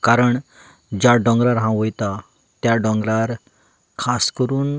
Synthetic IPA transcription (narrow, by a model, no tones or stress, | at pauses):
kaɾəɳ | d͡ʑjaɖɔ̃ŋɡɾaɾɦãʋojt̪a | t̪jaɖɔ̃ŋɡɾaɾ | kʰaskəɾuːn